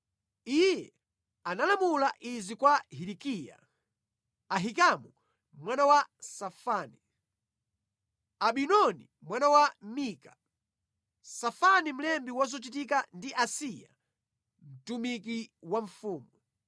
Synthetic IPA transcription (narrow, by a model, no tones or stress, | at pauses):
ijɛ | analamulaʔizikwahiɾikija̰ | aɦikamu | mwanawasafaːni | aɓinɔni | mwanawamiːka | safanim̩lɛmbiwazɔt͡ʃit̬ikandiʔasija̰ | m̩tumik̬iwaɱfuːmu